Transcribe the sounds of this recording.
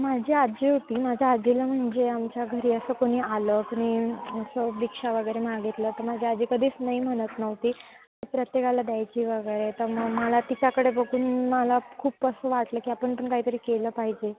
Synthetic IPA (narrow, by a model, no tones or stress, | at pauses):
mad͡ʑʱiːad͡ʑiːɦot̪iːmad͡ʑʱjaad͡ʑʱiləm̤əɳd͡zeamt͡ɕjaɡʱəɾiːəsəːkoɽ̃iːaləkəɽ̃iəsəʋikʂaʋəɡəjɾemaɡit̪lət̪əɾmad͡ʑʱead͡ʑiːkəd̪ʱiːt͡snaɦim̤əɽ̃ət̪nəʋt̪iː | aʈipɾət̪jekalad̪jajt͡ɕiːʋəɡəjɾet̪əɾməɡməlat̪it͡ɕakəɽebəɡuːnmalakʰuːpəsəːʋaʈləːkiːapəɳpəɳkaɦiːt̪əɾiːkeləːpaɦid͡ʑe